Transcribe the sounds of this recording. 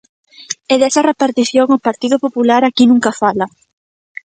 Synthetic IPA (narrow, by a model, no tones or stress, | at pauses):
eðɛsɐrepaɾt̪iθjoŋopaɾt̪iðʊpopulaɾakinũŋkafala